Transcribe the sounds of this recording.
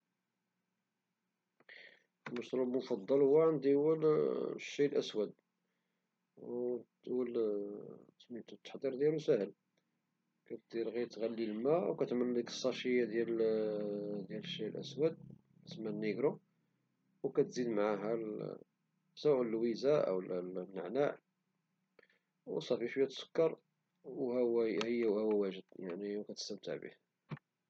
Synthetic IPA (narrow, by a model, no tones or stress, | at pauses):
lməʃt̪ˤɾubmofɑd̪ˤːɑlhʊwːæʕand̪iwəlʃːilʔəswæd̪̚ | uəl | t̪mit̪ut̪ːə̥ħd̪iɾd̪jælusæhəl | kæt̪̚d̪iɾɣæjt̪ɣælːilmæwkæt̪ʕmənːləkə̥sˤːɑʃəjːad̪jæl | d̪jæləʃːilʔə̰swæd̪̚ | ksəmːænːiɡɾu | wkæt̪zid̪mʕaɦæ | saʔləlwizaʔə̰wəlmnəʕnaʕ | wsˤɑfifbjæt̪sə̥kːɑɾˤ | whwæhəjːæwhæwæwæʒəd̪jaʕniwkæt̪ə̥st̪əbt̪ə̰ʕbḭh